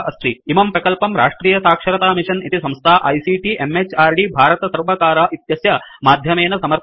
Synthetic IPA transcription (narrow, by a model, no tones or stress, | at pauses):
ɐst̪ɾiimɐmpɾɐkɐlpɐmɾa̰ːʂʈɾiːjɐsaːkʂɐɾɐt̪aːmiʂɐnit̪isɐmst̪ʰaːʔɐjsiːʈiʔemet͡ʃaːɾɖibʱaːɾɐt̪ɐsɐɾʋɐkaːɾɐʔit̪jɐsjɐmaːd̪ʱjɐmeːnɐsɐmɐɾ